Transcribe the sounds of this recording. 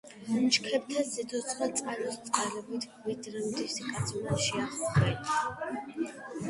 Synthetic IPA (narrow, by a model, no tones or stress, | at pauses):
nt͡ʃkʰɛb̚t̪ʰazid̪ʰɔt̪sʰd̪at̪sʼqʼalɔst̪sʼqʼalɛbit̪ʰvid̪ɾɛmd̪isikʼad̪sʰnaʃiaχɔχɛn